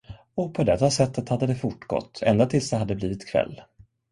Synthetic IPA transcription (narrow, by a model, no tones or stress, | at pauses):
ɔpʰɔd̪ɛt̪ːasɛt̪ːət̪had̪ːəd̪ɛfʊʈːɡɔ̰t̪ʰːɛ̰nd̪at̪ʰɪlsd̪ɛɦad̪ːəbliːvɪt̪kʰvɛ̰lː